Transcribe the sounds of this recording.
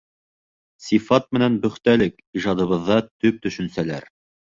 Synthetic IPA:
sifɑt̪̚mɘ̆nænbɵ̆χt̪ælɘk | iʒɑd̪ɤ̆βɤ̆ðːɑt̪ɵp̚t̪ɵ̆ʃɵ̆nsælæ̰ɾ

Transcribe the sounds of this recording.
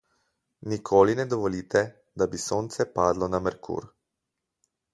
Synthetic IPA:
nikʰoːlinɛd̪ɔʋɔliːt̪ɛ | d̪abisoːnt̪sɛpaːd̪lɔnamɛɾkʰṵːɾ

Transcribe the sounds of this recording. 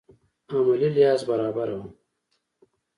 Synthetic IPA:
amalilijɑːzbaɾɑːbaɾawum

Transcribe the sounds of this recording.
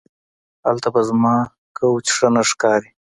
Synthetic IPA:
alt̪abazmɑː | kawt͡ʃʂanaʂkɑːɾi

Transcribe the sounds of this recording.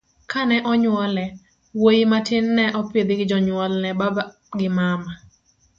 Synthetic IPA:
kanɛʔɔɲwɔlɛ | wojimatɪnːɛʔɔpɪd̪ɪɡɪd͡ʒɔɲwɔlnɛbaba | ɡɪmama

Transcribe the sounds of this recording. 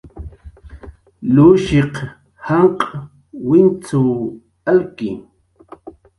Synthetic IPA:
luʃeq | haɴqʼ | wɪnt͡suw | alkɪ̰

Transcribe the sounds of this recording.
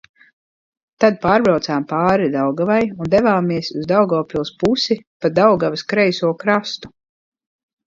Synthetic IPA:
t̪ad̪̚paːɾbɾawt̪saːmpaːɾid̪awɡavajund̪ɛvaːmiɛsuzd̪awɡɔːpʲilˠspusipad̪awɡaviskɾɛjsuɔkɾast̪u̥

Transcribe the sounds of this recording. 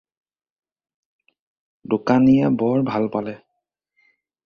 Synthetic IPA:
dʊkanijabɔɹbʱalpalɛ

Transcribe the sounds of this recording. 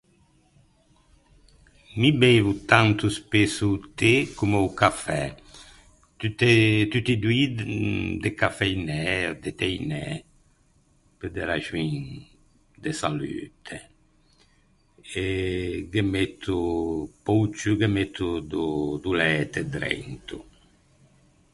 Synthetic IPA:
mibevut̪ant̪uspesut̪ekumeukafɛ | t̪yt̪et̪yt̪id̪wid̪d̪ekafɛjnɛɾd̪et̪ɛjnɛ | ped̪eɾaʒwin | d̪esaly̰ːt̪ʰe | eɡemet̪ʰːupowt͡ʃuɡemet̪ʰːud̪ud̪ulɛːt̪ed̪ɾɛ̰nt̪u

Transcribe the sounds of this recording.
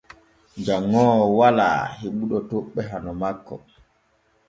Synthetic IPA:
d͡ʒaŋːɔːwala̰ːheɓuɗɔtoɓːɛɦanɔmakːɔ̰

